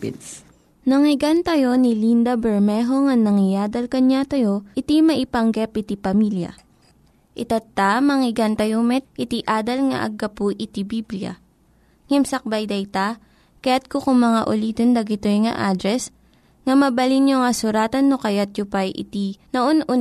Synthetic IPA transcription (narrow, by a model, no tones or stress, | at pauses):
pt̪ | nɐŋɪɡant̪ɐjo̞nɪlind̪ɐbɛɹmɛɦoŋɐŋnɐŋɪjaːd̪ɐlkɐɲat̪ɐjo̞ʔɪt̪imɐʔɪpɐŋɡɛpʔɪt̪ipɐmiljɐ̰ | ʔɪt̪ɐt̪ːamɐŋɪɡant̪ɐjomɛt̪̚ʔɪt̪iʔaːd̪ɐlŋɐ̰ʔɐ̰ɡɐpʊʔɪt̪ibibljɐ̰ | ŋɛmsɐk̚bɐjd̪ɐjt̪a | kɐjat̪̚kokʊŋmɐŋaʔʊliːt̪ond̪ɐɡɪt̪ojŋɐ̰ʔad̪ɾɛs | ŋɐmɐbɐlinjoŋɐsʊɾaːt̪ɐnːokɐjat̪̚jʊpajʔɪ̰t̪inɐʔonʔʊ